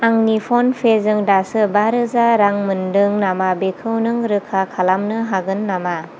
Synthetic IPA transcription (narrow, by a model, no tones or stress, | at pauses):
aŋnipʰɔnpʰezɯŋdasɯbaɾɯzaɾaŋmɯndɯŋnamabekʰɯwnɯŋɾɯkʰakʰalamnɯɦaɡɯnːama